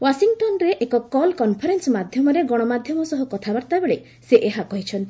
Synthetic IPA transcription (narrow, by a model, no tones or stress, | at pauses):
wasiŋʈɔnɾeʔekɔkɔlkɔnpʰɔɾensmad̪ʱjɔmɔɾeɡɔɽ̃ɔmad̪ʱjɔmɔsɔɦɔkɔt̪ʰabaɾt̪abeɭe | seʔeɦakɔɦit͡ʃʰɔnt̪ʰi